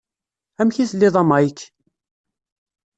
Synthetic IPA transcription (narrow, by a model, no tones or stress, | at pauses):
æmçiθlːɪðˤɑmɑjkː